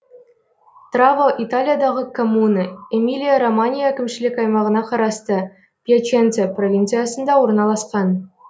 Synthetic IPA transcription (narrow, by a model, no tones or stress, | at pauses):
t̪rɑvɤʔit̪alʲijad̪ɑʁɤkomunɤemʲilʲijaromanʲijakʲɘ̆mʲɕilʲekʲɑjmɑʁɤ̆nɑχɑ̆ɾɑst̪ɤ | pʲiet͡ɕent͡sʲeprovʲint̪sɨjɑsɤ̆nd̪ɑuɾɤ̆nɑlˠɑsqɑn